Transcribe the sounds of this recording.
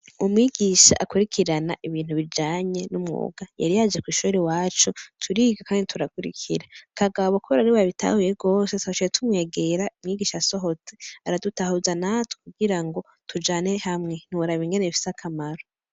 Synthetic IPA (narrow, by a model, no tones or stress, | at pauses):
umŋiːɡiʃa̰ʔakuɾikʰiɾanaʔiβiːn̥huβid͡ʒaːɲe̞numŋo̰ːɡ̥aja̰ɾijad͡ʒekwiːʃuɾewaːt͡ʃutʰuɾiːɡakaːnditʰuɾakuɾḭkʰḭɾakʰaɡaβokuɾaɾiβaβitʰa̰ːhujeɡo̞ːsetat͡ʃietʰumŋe̞ːɡe̞ɾaumŋiːɡiːʃaso̞ɦo̞t͡se̞aɾadutahuːzanatʰu̥kuɡiɾaŋɡo̞ | tʰud͡ʒaːne̞hamŋe̞n̥iuɾaβiŋɡeneifi̥sakʰamaɾo